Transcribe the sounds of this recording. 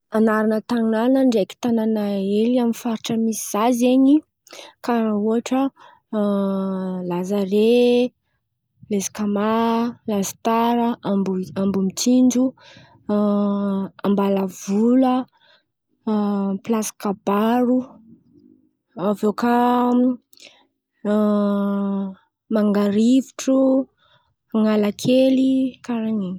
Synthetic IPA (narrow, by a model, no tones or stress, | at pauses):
anaɾanət̪aŋnanəɳɖ͡ʐeki̥t̪ananaeliamifaɾiʈ͡ʂəmisiz̥azeɲi | kaɾauaʈ͡ʂə | lazaɾe | lezi̥kamalazi̥t̪aɾəambuambumit͡sind͡ʒu | ambalavulə | plasi̥kab̥aɾu | avoka | maŋɡaɾiviʈ͡ʂu | aŋalakʰelikaɾaɲini